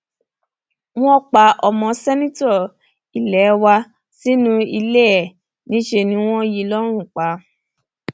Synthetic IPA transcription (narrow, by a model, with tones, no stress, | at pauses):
w̃ɔ̃˦k͡pa˨˦ʔɔ˧mɔ̃˧sɛ˦nĩ˦tɔ˦˨ | i˨lɛ˨˦wa˧ | si˦nũ˦i˧le˦ɛ˦˨ | nĩ˦ʃe˧nĩ˧˦w̃ɔ̃˦ji˧lɔ˦ɾ̃ũ˦˨k͡pa˨˦